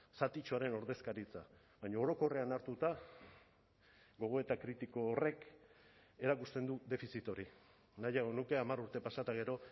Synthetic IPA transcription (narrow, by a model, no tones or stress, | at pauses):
sat̪it͡ʃoaɾe̞no̞ɾðe̞skaɾit͡sa | βaɲaoɾo̞ko̞re̞anaɾt̪ut̪a | ɡo̞ɣ̞o̞e̞t̪akɾit̪iko̞ːre̞k | e̞ɾakust̪e̞nd̪ud̪e̞fisit̪o̞ɾi | najaɣo̞nuke̞amaɾuɾt̪e̞pasat̪aɣ̞e̞ɾo̞